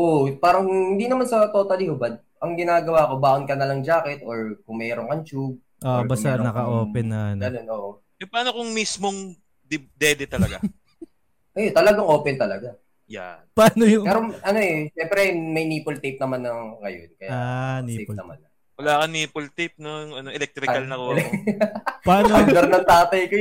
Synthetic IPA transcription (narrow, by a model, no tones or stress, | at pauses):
ʔoʔpaːɾɐŋkhɪnd̪inɐmansɐt̪oːt̪ɐlihʊbɐd̪̚ | ʔɐŋɡɪnaːɡɐwaːko̞baːʔʊnkɐnɐlɐŋd͡ʒaːkɛt̪̚ʔo̞ɹkʊŋmɛːɾoŋkɐnt͡ʃuɡ̚ | ʔoʔbaːsmaɾnɐkɐʔoːpɛnːɐnɡɐnonʔoːʔo | ɛpaːnokʊŋmismoŋ | d̪ɪd̪ɛd̪ɛt̪ɐlɐɡa | ʔɐjt̪ɐlɐɡaŋʔo̞ːpɛnt̪ɐlɐɡa | ja̰paːnojʊmɛɾoʔɐno̞ʔɛʃɛmpɾɛmɐjniːpolt̪ep̚nɐmanːɐŋːɐjo̰nkɐjaaniepnɐma̰nɐ | wɐlaːkɐniːpolt̪ip̚nojʊŋɐnoʔɛlɛk̚t̪ɾɪkalnɐko | paːnɐɾnɐŋt̪aːt̪ɐjko